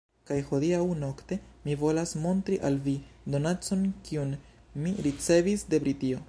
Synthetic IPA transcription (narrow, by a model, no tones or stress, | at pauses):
kajho̞diawno̞kte̞mivo̞lasmo̞ntɾiʔalvido̞nat͡so̞nkiun | miɾit͡se̞visde̞bɾitio̞